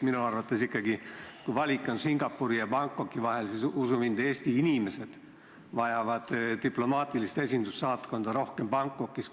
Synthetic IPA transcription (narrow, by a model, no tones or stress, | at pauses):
minuɑrvɑt̪ːˑesikːˑɑɡikujvɑlʲikːˑo̞nsiŋɡ̥ɑpːuɾijɑbɑŋkːˑo̞kːˑivɑɦe̞lsisusumind̪̥e̞ːsʲt̪iinime̞se̞d̪̥ | vɑjɑvɑd̪̥t̪iplo̞mɑːt̪ʲˑilist̪e̞sʲind̪̥usːɑːt̪ko̞nd̪ɑɾo̞hke̞mbɑŋkːˑo̞kːˑis